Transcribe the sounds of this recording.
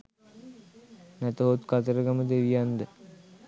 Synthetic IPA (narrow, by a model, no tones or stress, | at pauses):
næt̪əɦot̪kat̪əɾəɡaməd̪eʋijand̪ə